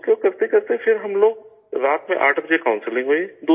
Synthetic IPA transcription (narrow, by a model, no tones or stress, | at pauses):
kokɐɾt̪ekɐɾt̪ẽfʰɪɾɦɐmloːɡ̚ | ɾaːt̪mḛ̃ʔaːʈʰbɐd͡ʒekaʊ̃nsɪlɪ̃ŋɡɦoːid̪uː